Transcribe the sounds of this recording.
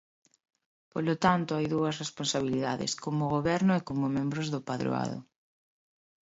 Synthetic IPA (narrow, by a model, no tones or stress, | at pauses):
polot̪ant̪ʊajðuɐs̬responsaβ̞iliðaðɪ̰skomʊɣoβɛɾnʊekomʊmẽmbɾʊzðʊpaðɾo̰a̰ðʊ̰